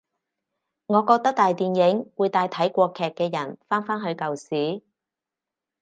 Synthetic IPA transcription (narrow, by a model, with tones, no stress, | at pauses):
ŋɔː˨˧kɔː˧k̚t̪ɐ˥k̚t̪aː˨jt̪iː˨njɪ˨˥ŋwuː˨˧jt̪aː˧jt̪ʰɐ˨˥jkʷɔː˧kʰɛː˨kːɛː˧jɐ˨˩nfaː˥nfaː˥nɦɵ˨˧ɥkɐ˨wsiː˨˥